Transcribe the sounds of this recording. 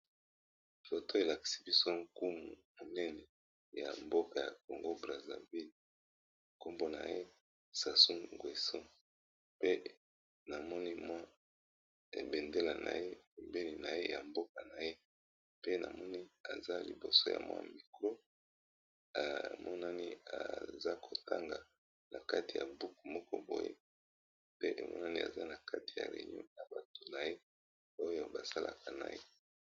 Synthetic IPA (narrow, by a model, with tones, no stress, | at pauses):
fo˨to˦e˨la˨ki̥˨si˦bi˦so˦ŋ˦ku˦mu˨mo˨nɛ˦nɛ˨ | ja̰˨mbo˦ka˨ja˨k̚o˨ŋɡo˦bʁa˨za̰˨vi˦l | ko˦mbo˦na̰˨je˦ | sa˨su˦ŋŋɡwe˨sɔ˦ | pe˦ | na˨mɔ˦ni˦mwa˦ | ḛ˨be˨nde˦la˨na̰˨je˦i˨mbe˦li˨na˨je˦ja˨mbo˦ka˨na˨je˦ | pe˦na˨mɔ˦ni˦a˨za˦li˨bo˨so˦ja̰˨mwa̰˦˨mi˨ko˦ | a˨mɔ˦na˦ni˦a̰˨za˦ko˨ta˦ŋɡa˨ | nʔa˨ka˦ti˨ja˨bu˦ku˨mɔ˦kɔ˦bo˨jḛ˦ | pe˦ʔe˨mʔɔ̰˦na˦ni˦a̰˨za˦na˨ka˦ti̥˨ja̰˨lḛ˨ɲɔ̰˦na˨ba˨to˨na˨je˦ | o˦jo˦˨ba˨sa˦lʔa˨ka˨na̰˨jḛ˦